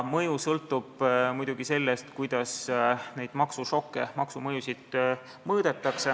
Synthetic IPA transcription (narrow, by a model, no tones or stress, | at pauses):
mɤjusɤlt̪ˑːub̥mujd̪uɡ̥ise̞lːest̪kujd̪̥ɑsne̞jd̪̥mɑksuʃo̞kːemɑksumɤjusʲid̪̥ | mɤːd̪̥e̞t̪ːˑɑkse